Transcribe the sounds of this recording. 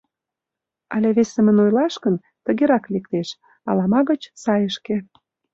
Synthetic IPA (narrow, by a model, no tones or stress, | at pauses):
ɑleβesə̆mə̆nojlɑʃkən | t̪ə̆ɣeɾɑklikt̪eʃ | ɑlɑmɑɣət͡ɕsɑjəʃke